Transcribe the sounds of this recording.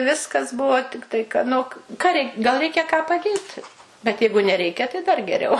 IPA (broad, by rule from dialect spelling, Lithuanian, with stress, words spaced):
ˈʋʲɪskɐs ˈbʊʋoː ˈtʲɪktɐɪ kɐ ˈnʊ k kɐ rʲɛɪ ɡɐlˠ ˈrʲɛɪkʲɛ kɑː pɐˈdʲeːt bʲɛt ˈjɛɪɡʊ nʲɛˈrʲɛɪkʲɛ tɐɪ ˈdɐr ɡʲɛˈrʲɛʊ